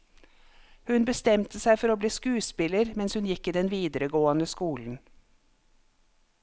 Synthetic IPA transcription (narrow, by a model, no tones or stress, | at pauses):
hʉnbəst̪ɛmt̪ʰəsæɪfɔɾoːbliːskʉːspɪləɾmɛnshʉnjɪkːiːd̪ɛnʋiːd̪əɾəɡoːɑnəskuːln̩